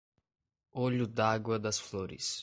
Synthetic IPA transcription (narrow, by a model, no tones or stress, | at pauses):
ɔlʲud̪aɡwad̪asflˠɔɾḭs